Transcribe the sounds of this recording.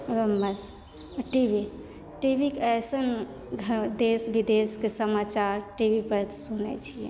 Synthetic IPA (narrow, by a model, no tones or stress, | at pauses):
ɾəmːəs | ʈibʱi | ʈibʱikeəjsən | ɡʱd̪esbʱid̪eskesəmat͡ʃaɾʈibipəɾt̪ʰsunɛ̰t͡ʃʰijɛ̰